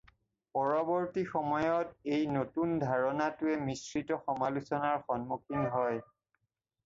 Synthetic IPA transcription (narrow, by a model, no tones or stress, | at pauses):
pɔɹɔbɔɹtixɔmɔjɔtejnotundʱaɹɔnatʊɛmisɹitɔxɔmalusɔnaɹxɔnmukʰinɦɔj